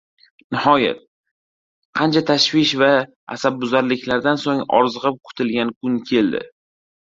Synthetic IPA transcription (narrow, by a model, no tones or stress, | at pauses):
nɪhɒja̰t̪̚ | qʰɑnt͡ʃʰat̪ʰaʃvɪʃva | a̰sab̚bʊzaɾlɪkʲʰlaɾd̪ansoŋɒ̰ɾzɨʁɨp̚kʰʊ̥t̪ʰɪlɡʲankʰʊnkʲʰe̞ld̪ɪ̰